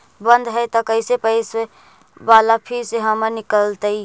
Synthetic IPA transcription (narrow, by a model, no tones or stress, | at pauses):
bə̃nd̪ɦɛt̪ɔkəɪsepəɪse | ʋaːlapʰiɾseɦəmənɪkəlt̪əi